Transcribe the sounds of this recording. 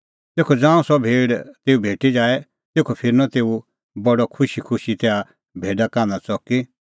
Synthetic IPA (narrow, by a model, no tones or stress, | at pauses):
t̪eːkʰɔd͡zãːũsɔbʱeːɽt̪eːubʱeːʈid͡ʒaːɛ | t̪eːkʰopʰɪɾnɔt̪eːu | bɐɖɔkʰʊʃikʰʊʃit̪ɛa | bʱeːɖakãːnd̪at͡sɔki